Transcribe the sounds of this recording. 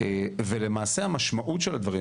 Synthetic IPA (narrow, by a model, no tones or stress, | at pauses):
evele̞maːse̞hamaʃmaʔutʃelad̪vaʁi